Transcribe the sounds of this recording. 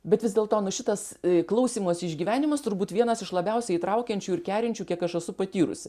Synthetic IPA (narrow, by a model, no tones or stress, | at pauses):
bʲɛt̪ʋʲɪzdʲeɛlˠt̪oːnʊʃʲɪt̪ɐsklˠɐʊsʲiːmoːsɪʒʲɡʲiːʋʲæːnʲɪmɐst̪ʊɾbuːt̪ʋʲiɛnɐsɪʃlˠɐbʲɛʊsʲɛiːt̪ɾɐʊkʲɛnʲt͡ʃʲuːɪɾkʲæːɾʲɪnʲt͡ʃʲuːkʲiɛkɐʃɛsʊpɐt̪ʲiːɾʊ̰sʲɪ